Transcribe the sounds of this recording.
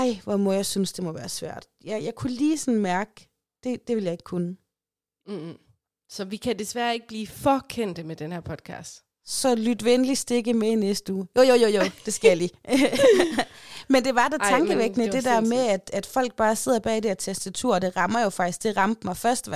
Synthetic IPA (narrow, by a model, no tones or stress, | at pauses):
ɑ̈ɪ̰ʋɒmɔjɑɪsynsd̥e̝mɒ̽ʋæːɐsʋæ̰ɐ̰d̥jɑjɑ̈ɪkʰuliːsɒn̩mæɐɡ̥ə | d̥e̝d̥e̝ʋe̝ljɑ̈e̝ɡ̥kʰunə | sɒ̽ʋikʰæd̥esʋæɐe̝ɡ̥əb̥liːfɒkʰen̰d̥əmed̥enhæɐ̰pʰɒd̥̚kʰɑ̰ːsd̥ | sɒ̽lyd̥ʋenlisd̥e̝ɡ̥əmeinesd̥əuːjojojojod̥e̝sɡ̥æjɑlḭː | mend̥e̝ʋɑ̈d̥æt͡sʰɑŋɡ̥əʋeɡ̥ənəd̥e̝d̥æɐ̰meæd̥æd̥fɒ̽l̰ɡ̥̚b̥ɑ̈ːse̝ð̞̰ˠɐb̥ɛ̰ːid̥e̝ɐt͡sʰesd̥æt͡sʰuɐ̰ɒd̥e̝ʁɑ̈mɐjo̝fɑ̈ɡ̥isɡ̥d̥e̝ʁɑ̈md̥mɑ̈ɪfɶɐsd̥ʋ